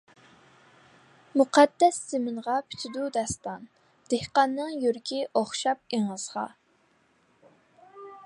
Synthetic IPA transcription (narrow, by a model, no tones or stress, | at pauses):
muqʰɑd̪ːɛsz̥ɪmɪnʁɑpʰy̥t̪ʰyd̪ud̪ɛst̪ɑn | d̪̥ehqɑnːɨŋjyɾkʲʰiʔoχʃɑp̚eŋəzʁɑ̰